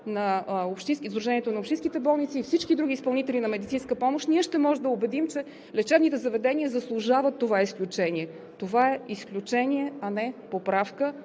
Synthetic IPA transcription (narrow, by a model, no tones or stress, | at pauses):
nɐopʃt̪inskʲzd̪ɾuʒɛniɛt̪onɐopʃt̪ĩskit̪ɛbɔlˠnit̪siːfsit͡ʃkid̪ɾuɡiːspɐlˠnit̪ɛlʲinɐmɛd̪it̪sinskəpɔmoʃt̪niəʃt̪ɛmɔʒɛmd̪əʊbɛd̪imt͡ʃɛ | lɛt͡ʃɛbnit̪ɛzɐvɛd̪ɛniəzɐslˠʊʒavət̪ːovaɛisklʲut͡ʃɛniɛ | t̪ovaɛisklʲut͡ʃɛniɛɐnɛpopɾafkə